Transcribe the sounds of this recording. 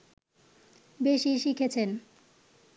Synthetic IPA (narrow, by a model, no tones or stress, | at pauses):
beʃiʃikʰet͡ɕʰen